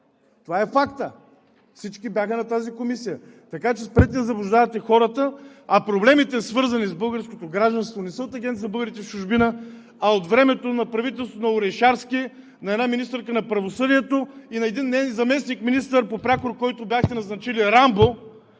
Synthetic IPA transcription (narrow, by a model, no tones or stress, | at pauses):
t̪ovaɛfakt̪ə | fsit͡ʃkʲibʲjaxənɐt̪azikomisijət̪ɐkat͡ʃɛspɾɛt̪iəzɐblˠʊʒd̪avɐt̪ɛxɔɾət̪əɐpɾoblɛmit̪ɛsvɤɾzɐnizbɤlˠɡəɾskot̪oɡɾaʒd̪ɐnst̪vonɛsəot̪ɐɡʲɛnt̪ibɤlˠɡəɾit̪ɛft͡ʃuʒbinə | ɐot̪vɾɛmɛt̪onɐpɾɐvit̪ɛlˠst̪vonɐʊɾɛjʃaɾski | nɐɛd̪naminist̪əɾkənɐpɾɐvosɤd̪iɛt̪oinɐɛd̪inːɛnzɐmɛsnikminist̪əɾpopɾakoɾkɔjt̪objaxt̪ɛnɐznɐt͡ʃiliɾambo